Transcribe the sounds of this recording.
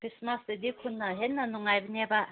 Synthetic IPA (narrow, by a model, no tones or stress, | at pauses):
kʰɾismasd̪ɯd̪ikʰunːaɦenːanuŋajbəneba